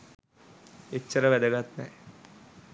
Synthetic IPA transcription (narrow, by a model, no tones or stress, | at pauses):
et͡ɕːəɾəʋæd̪əɡat̪nɛː